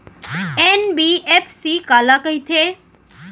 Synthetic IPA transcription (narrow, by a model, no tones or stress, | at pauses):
enbiepʰsikaːlakəɦit̪ʰeː